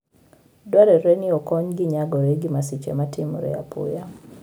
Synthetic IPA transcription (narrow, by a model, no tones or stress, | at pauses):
dwaɾɛɾɛniɔkɔɲɡiɲaɡɔɾeɡimasit͡ʃɛ̰matʰimuɾɛ̰a̰pṵja